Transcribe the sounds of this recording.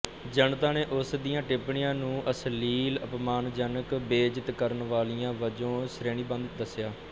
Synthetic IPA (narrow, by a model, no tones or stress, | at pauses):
d͡ʒənt̪ãːneːʔʊsd̪ijãːʈɪpɳɪjãːnũːʔəsliːləpmaːnd͡ʒənəkbeːd͡ʒət̪kəɾənʋaːlijãːʋəd͡ʒõːsɾeːɳ̃iːbə̃nd̪d̪əsːjaː